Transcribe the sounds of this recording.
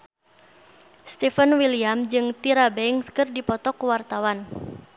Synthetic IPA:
st̪ifənwiliamd͡ʒɨŋt̪iɾabɛiŋskɨrdipɔt̪ɔkuwart̪awan

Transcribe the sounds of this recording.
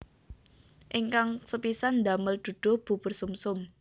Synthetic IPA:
ʔɪŋkaŋsəpisand̪aməld̪̥ṳd̪̥ɔ̤hb̥ṳbʊrsumsʊm

